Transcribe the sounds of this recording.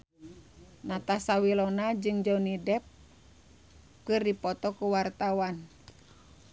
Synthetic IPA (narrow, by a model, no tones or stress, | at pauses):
nat̪asawilɔnad͡ʒɨŋd͡ʒɔnidɛp̚ | kɨrdipɔt̪ɔkuwart̪awan